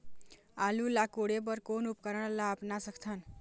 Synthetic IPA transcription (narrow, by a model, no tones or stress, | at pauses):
alulakuɽebʌɾkonupkʌɾʌɽ̃lapnasʌkʰt͡sʰʌn